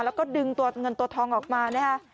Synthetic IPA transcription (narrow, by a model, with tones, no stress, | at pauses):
lɛː˦˥kɔː˥˩dɯ˧ŋt̪u˧˩ɐŋɤ˧nt̪u˧ət̪ʰɔː˧ŋʔɔː˨˩k̚maː˧nɛː˥˩kʰa˦˥ʔ